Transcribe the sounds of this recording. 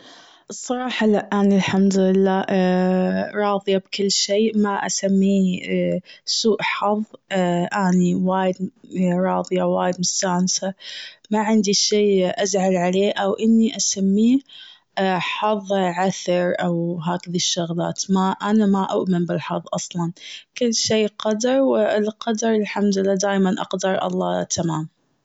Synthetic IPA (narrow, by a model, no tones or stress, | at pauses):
ʔɨsˤːɑɾˤɑːħɑlaʔʔanɪlħamd̪ʊlɪlːaː | ɾˤɑːðˤɪjabkʊlːʃeːmaʔa̰samːiː | suːʔħɑðˤʔaniwaːjɪd̪ɾˤɑːðˤɨjawaːjɪd̪mʊst̪aːnsamaʕɪnd̪iʃiːʔazʕalʕaleːʔawʔɪnːiʔasamːiː | ħɑðˤʕaθɑɾˤʔawɦaːkɪðaʃːʊɣla̰ːt̪maʔanamaʔʊʔmɪnbɪlħɑðˤʔɑsˤlɑnkɪlːʃiːqɑd̪ɑɾˤwɪɪlqɑd̪ɑɾˤɪlħamd̪ɪlːaːd̪aːjmanʔɑ̰qd̪ɑɾˤʔɑ̰lˤːɑːt̪ʰamaːm